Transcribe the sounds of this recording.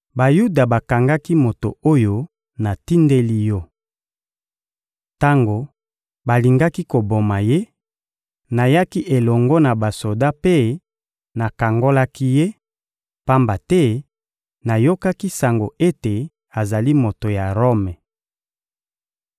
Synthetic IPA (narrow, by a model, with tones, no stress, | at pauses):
ba˨ju˦da˨ba˨ka˨ŋɡa˦ki˦mo˨to̰˨o˦jo˦ | na˨ti˦nde˦li˦jɔ˦ | ta˦ŋɡo˨ | ba˨li˨ŋɡa˦ki˦ko˨bo˨ma˨je˦ | na˨ja˦ki˦ʔe˨lɔ˨ŋɡɔ˦na˨ba˨so˨da˦pe˦ | na˨ka˨ŋɡo˦la˦ki˦je˦ | pa˦mba˨tɛ˦ | na˨jo˦ka˦ki˦sa˨ŋɡo˨ʔe˦te˨ | a˨za˨li˦mo˨to˨ja˨ʁo˦mɛ˨